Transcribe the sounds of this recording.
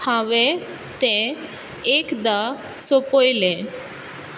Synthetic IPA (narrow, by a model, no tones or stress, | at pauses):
ãʋe | t̪ẽ | ekd̪a | sopojlẽ